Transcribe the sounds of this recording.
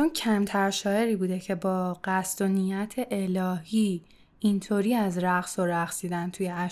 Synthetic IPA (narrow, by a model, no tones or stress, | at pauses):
t͡ʃoncʰæmt̪ʰæɾʃɒːje̞ɾiːbuːd̪ecʰe̞bɒːɢ̥æsd̪onijæt̪ʰe̞ʔelɒːɦiː | int̪ʰoːɾiːæzɾæɣsoɾæχsiːd̪ænt̪ʰujeæ